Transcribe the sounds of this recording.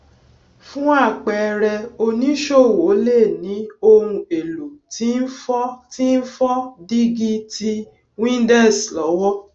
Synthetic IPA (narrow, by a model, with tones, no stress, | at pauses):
fũ˦a˦˨k͡pɛ˨˧ɾɛ˧o˧nĩ˦ʃo˦˨wo˨˦le˦˨nĩ˨˦o˧ɾũ˧e˨lu˨ti˨˦n̩˦fɔ˦ti˦n̩˦fɔ˦di˦ɡi˦ti˧ | wĩ˦dɛ˦˨slɔ˨˦wɔ˦